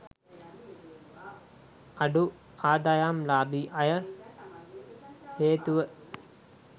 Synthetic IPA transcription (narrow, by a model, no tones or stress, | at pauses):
aɖu | aːd̪ajamlaːbiʔajə | heːt̪uʋə